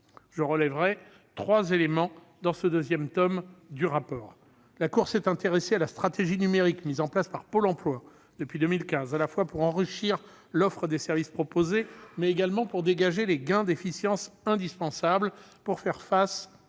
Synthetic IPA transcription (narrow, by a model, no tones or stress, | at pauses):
ʒ̥əʁəlɛvʁɛ | t̪χwazelemɑ̃ | d̪ɑ̃səd̪øzjɛmt̪ɔmd̪yʁapɔːʁ | lakuʁsɛt̪ɛ̃t̪eʁesealast̪χat̪eʒinymeʁikmizɑ̃plaspaʁpolɑ̃plwa | d̪əpɥid̪əmilkʲɛ̃zalafwapuʁɑ̃ʁiʃiʁ | lɔfχəd̪esɛʁvispχɔpozemɛːɡalmɑ̃puʁd̪eɡaʒeleɡɛ̃d̪efisjɑ̃sɛ̃d̪ispɑ̃sablpuʁfɛʁfas